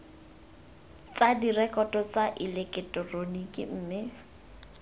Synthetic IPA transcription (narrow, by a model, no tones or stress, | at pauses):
t͡sadirɛkʼɔtʼɔt͡saʔɪlekʼɪtʼɔronikʼɪ̰ːmɪ